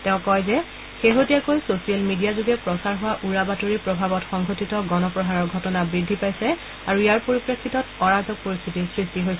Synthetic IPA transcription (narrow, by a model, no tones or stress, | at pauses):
tɛ̃ʊ̃kɔjzɛ | xeɦotijakojsosialmidijazuɡɛpɹɔsaɹɦʊwaʔuɹabatoɹipɹɔbʱabɔtxɔŋɡʱotitɔɡɔnɔpɹɔɦaɹɔɹɡʱɔtɔnabɹidʱːipajsɛ | aɹuijaɹpoɹipɹekʰːitɔtɔɹazʱɔk̚poɹist̪ʰitisɹistiɦojsɛ